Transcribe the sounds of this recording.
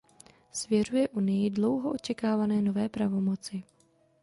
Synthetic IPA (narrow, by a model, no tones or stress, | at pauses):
svjɛr̝ujɛʔunɪjɪdlo̞wɦoʔot͡ʃɛkaːvanɛːno̞vɛːpɾavo̞mo̞t͡sɪ